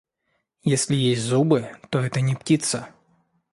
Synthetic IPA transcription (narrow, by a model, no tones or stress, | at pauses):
jɛsʲlʲijesʲtʲzubɨt̪ɔɛt̪ɐnʲiptʲit̪sɐ